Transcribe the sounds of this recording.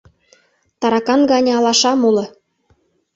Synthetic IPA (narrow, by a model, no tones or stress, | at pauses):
t̪ɑɾɑkɑnɡɑnʲɤ̆ɑlɑʃɑmulɤ̆